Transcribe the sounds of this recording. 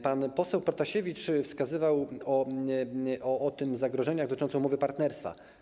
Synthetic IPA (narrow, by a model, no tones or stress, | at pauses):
panpɔsɛwpɾɔt̪aɕevʲit͡ʂfskazɘvawɔ | ʔɔʔːt̪ɘmzaɡɾɔʐɛɲaɡd̪t̪ɪt͡ʂɔnɔ̃w̃mɔvɘpaɾt̪nɛɾst̪fa̰